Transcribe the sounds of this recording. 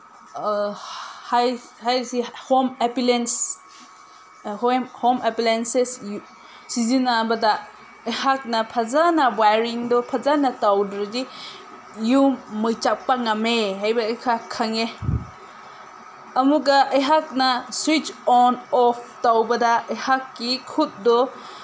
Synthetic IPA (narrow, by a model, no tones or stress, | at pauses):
haj | hajsihomepilens | homhomepilensesju | sizinabɐdɐ | ɐjhak̚nɐpʰazanɐwajɾiŋdɔpʰazanɐtawdɾɯdi | jumɯjt͡ʃap̚paŋameɦajbɐːjkʰakʰaŋe | ɐmuɡɐʔːjɦak̚nɐswit͡ʃɔnɔpʰtawbɐdaɐjhakːikʰut̚dɔ